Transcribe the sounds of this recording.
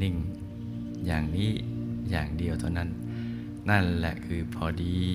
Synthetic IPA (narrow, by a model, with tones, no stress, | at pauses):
ni˧˩ŋ | jaː˨˩ŋniː˦˥jaː˨˩ŋdi˧əwt̪ʰa˥˩wna˦˥˩nː | a˥˩nlɛ̰˨˩ʔkʰɯː˧pʰɔː˧diː˧